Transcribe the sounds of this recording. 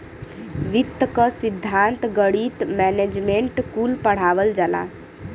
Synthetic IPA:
ʋit̪ːəkəsid̪ʱːant̪ɡəɽit̪mɛned͡ʒmeɳʈkulpəɽ̤aʋəld͡ʒala̰

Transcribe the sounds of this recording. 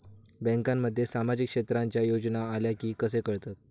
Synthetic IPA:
bɛ̃ŋkãmːəd̪ʱːjesamad͡ʑikːʂet̪ɾaɲt͡ɕjajod͡ʑnaːljakiːkəsekəɭt̪at̪

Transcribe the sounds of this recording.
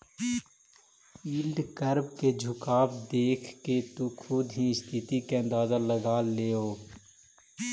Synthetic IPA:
iːlɖ̪kəɾbked͡ʒʱʊkaːbd̪eːkʰket̪ukʰʊd̪ɦĩɪst̪ʰɪt̪ikeɐ̃nd̪aːzaləɡaːleːoː

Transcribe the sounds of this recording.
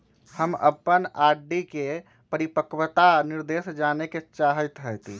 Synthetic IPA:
həmə̰pːənaɖike | pəɾipəkwət̪aniɾd̪esd͡ʒaneket͡ʃaɦət̪ɦət̪i

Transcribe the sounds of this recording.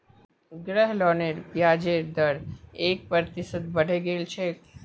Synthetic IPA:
ɡɾɛɦlɔːneɾpjad͡ʒeɾd̪əɾek̚pəɾt̪ɪsət̪̚bəɽ̤eɡelt͡ʃʰe

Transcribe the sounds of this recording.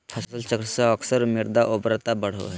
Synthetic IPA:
pʰɐssəlt͡ʃəkɾseəksəɾmiɾd̪aʔobɾət̪abɐɽ̤o̰ɦɛ

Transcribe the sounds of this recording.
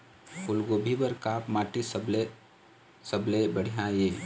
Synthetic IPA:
ʊlɡoːbʱibəɾkaːpmaːʈisble | səblebəɽ̤ijɦãːjeː

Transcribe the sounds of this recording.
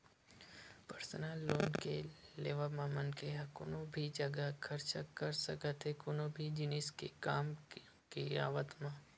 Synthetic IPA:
pəɾsənaːlːoːnkeleːʋamaːmənkeɦɐkʊnobʱid͡ʒɐɡəkʰɐɾt͡ʃakɐɾsəkət̪ɦekʊnõbʱid͡ʒɪnɪskekaːm | kia̰ːʋət̪maː

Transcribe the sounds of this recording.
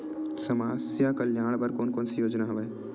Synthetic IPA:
sɐmaːsjakəljaːɽ̃bəɾkoːnkoːnsijoːd͡ʒnaɦɐʋeː

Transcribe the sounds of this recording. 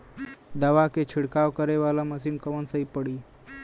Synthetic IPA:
d̪əʋaket͡ʃʰɪɽkaːʋkəɾeʋalaməsinkəʋənsəɦipəɽi

